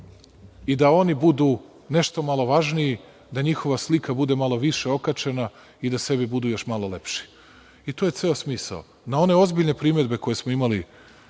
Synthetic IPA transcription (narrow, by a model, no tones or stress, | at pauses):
id̪ao̞nibud̪uː | ne̞ʃt̪o̞malˠo̞ʋaʒnii | d̪aɲixo̞ʋaslikabud̪e̞malˠo̞ʋiʃe̞o̞kat͡ʃe̞na | id̪ase̞bibud̪uːjo̞ʃmalˠo̞le̞pʃi̥ | it̪oje̞t̪se̞osmiːsa̰o | nao̞ne̞o̞zbiʎne̞pɾiːme̞d̪be̞ko̞je̞smoimali